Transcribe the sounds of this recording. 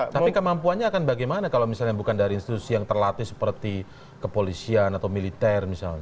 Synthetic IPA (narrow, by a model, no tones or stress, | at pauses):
t̪apikəmampuanɲaːkanbaɡajmanakalamisalɲabukandaɾiːnst̪it̪usijaŋt̪ərlat̪isə̥pərt̪i | kəpolisianat̪awmilit̪ɛrmisalɲa